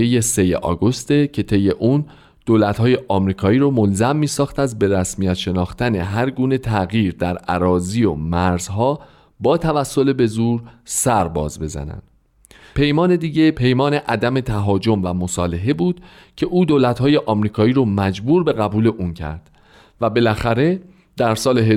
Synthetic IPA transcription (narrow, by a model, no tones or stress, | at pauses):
eje̞se̞jḛʔɒ̰ːɡost̪e̞cʰe̞t̪ʰe̞jːe̞ʔuːn | d̪̥oːlæt̪hɒːje̞ʔɒːmɾiːkʰɒːiːɾomolzæmːiːsɒːxt̪æzbe̞ɾæsmijæt̪ʃe̞nɒːxt̪æne̞ɦæɾɡuːne̞t̪ʰæɣiːɾd̪æɾæ̰ɾɒːzio̰mæɾzɦɒː | bɒːt̪ʰævæsːo̞lebe̞zuːɾsæɾbɒ̰ːzbe̞zæ̰næ̰nd̪̥ | pʰe̞jmɒːne̞d̪iːɟe̞pʰe̞jmɒːne̞ʔæd̪æme̞t̪ʰæɦɒːd͡ʒo̞mvæmosɒːle̞ɦe̞buːd̪̥ | cʰe̞ʔuːd̪oːlæt̪hɒːje̞ʔɒːmɾiːkʰɒːiːɾomæd͡ʒbuːɾbe̞ɣæbuːle̞ʔuːncʰæ̰ɾd̪̥ | væbe̞læxæɾe̞ | d̪̥æɾsɒːleɦe